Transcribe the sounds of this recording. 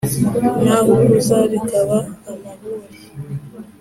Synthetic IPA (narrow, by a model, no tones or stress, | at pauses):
ɲaɦukuzaɾikaβaːmaβuːɾi